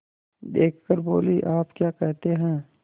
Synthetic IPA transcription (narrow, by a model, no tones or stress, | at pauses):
d̪eːkʰkəɾboːliʔaːpkjaːkɛɦt̪eɦɛ̃ː